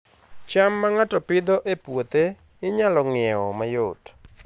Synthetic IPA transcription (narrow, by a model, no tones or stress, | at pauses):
t͡ʃamːaŋatɔpɪd̪ɔʔepwot̪e | ɪɲalɔŋɪɛɔmajot